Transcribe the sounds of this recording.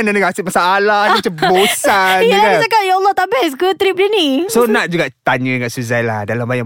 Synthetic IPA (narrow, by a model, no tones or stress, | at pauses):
ndanəɡasɪmasaalahsimat͡ʃabosanəd͡ʒakatjaɔlˠːɔht̪abɛskət̪ɾip̚dinisonãʔ̚d͡ʒuɡaʔt̪aɲə̃dəŋat̪suzajla̰hdalambajã